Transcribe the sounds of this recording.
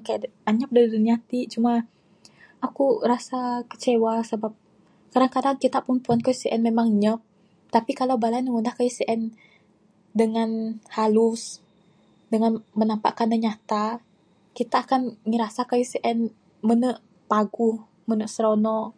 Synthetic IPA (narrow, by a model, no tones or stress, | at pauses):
kajaʔaɲəp̚daɾiduniat̪iʔt͡ʃuma | akurasakə̥t͡ʃewasəbap̚ | kadaŋkadaŋkit̪apunpuankajusiʔɛnmemaŋɲəp̚ | t̪apikalawbalanəŋundahkajusiʔɛn | dəŋanhalus | dəŋanmənampa̰ʔkanəɲat̪a | kit̪aːkanŋiɾasakajusiʔɛn | mənəʔ | paɡuh | mənəʔsɾonɔʔ